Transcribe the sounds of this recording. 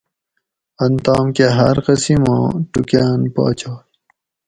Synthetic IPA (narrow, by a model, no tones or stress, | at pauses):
ɐnt̪aːmkeɦɐɾqʌsimãːʈukaːnpa̰ːt͡ɕaː